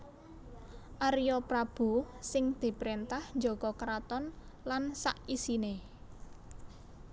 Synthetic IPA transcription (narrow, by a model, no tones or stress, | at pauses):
ʔaɾijɔpɾab̥ṳsɪŋd̪̥i̤pɾint̪ahnd͡ʒokɔkɾat̪ɔn | lansa̰ʔisine